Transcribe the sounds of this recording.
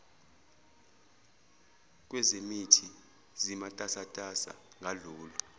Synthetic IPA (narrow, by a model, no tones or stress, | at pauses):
k̬ʼwɛzemitʰi | zimatʼasatʼasa̰ | ŋʱaluːlɔ